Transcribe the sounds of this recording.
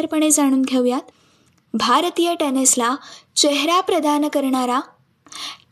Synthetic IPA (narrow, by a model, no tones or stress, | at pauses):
əɾpəɳ̃ed͡zaɽ̃uːnɡʱewjat̪ | bʱaɾt̪ijəʈeneslat͡ɕeɦɾapɾəd̪ankəɾɳaɾa